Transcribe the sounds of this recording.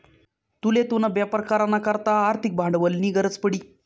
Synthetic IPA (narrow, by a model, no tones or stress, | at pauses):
t̪ulet̪unabjapəɾkaɾanːakəɾt̪aːɾt̪ʰik̚bʱãɳɖʋəlniːɡəɾət͡spəɽiː